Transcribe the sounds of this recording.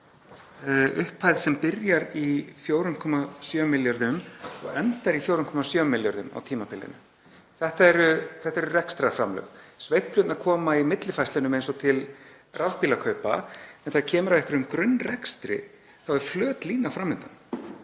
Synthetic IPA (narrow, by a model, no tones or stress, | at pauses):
ʏhphajðsɛmpɪɾjaɾifjowɾʏnkʰɔmasjœːmɪljaɾðʏmɔ̰ɣɛnt̪aɾifjowɾʏnkʰɔmasjœːmːɪljaɾðʏma̰wt̪ʰiːmapɪlːɪ̰nʏ | θɛht̪aɛɾʏθɛht̪aɛɾʏrɛkst̪ɾafɾa̰mlœ̰ːɣsvejhplʏt̪nakʰɔːmaimɪt̪lɪfajst̪ɪnʏmejnsɔt̪ʰɪl | rʔavpilakʰœɥpa̰ɛnθaɾcʰɛːmʏɾavɛhkvɪɾʏmkɾʏnːrɛkst̪ɾɪ̰ | θawɛɾ̥flœːt̪liːnafɾamːʏnt̪an